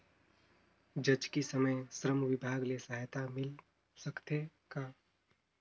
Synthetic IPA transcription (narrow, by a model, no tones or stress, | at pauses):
d͡ʒɐd͡ʒkisɐməjsɾəmʋɪbʱaːɡlesaːɦjt̪amɪl | sɐkt̪e | kaː